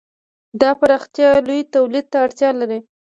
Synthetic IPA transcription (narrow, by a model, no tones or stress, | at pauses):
d̪ɑpaɾɑxt̪jɑlujt̪awlid̪̚t̪aːɽt̪jɑlaɾi